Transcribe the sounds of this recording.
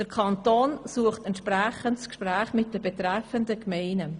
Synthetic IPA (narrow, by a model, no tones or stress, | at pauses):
d̥əɾkʰɑnt̪oːnsuəχtɛntʃpɾæχəntskʃpɾæːχmɪt̚d̥əbɛt̪ɾæfəndəkmɛɪnə